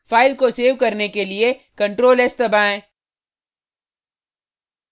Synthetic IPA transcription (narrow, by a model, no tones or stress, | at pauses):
faːɪlkoseːʋkɐɾnekeliekɐ̃ɳʈɾoːlɛst̪ɐbaːẽː